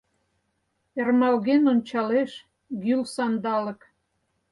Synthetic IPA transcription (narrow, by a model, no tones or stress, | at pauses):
ermɑlɣenonʲt͡ɕɑleʃ | ɡylsɑnd̪ɑlə̆k